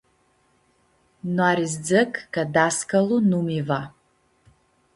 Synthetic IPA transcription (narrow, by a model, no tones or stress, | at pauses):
nwaɾizd͡zɨkʼɡadaskʼalunumiva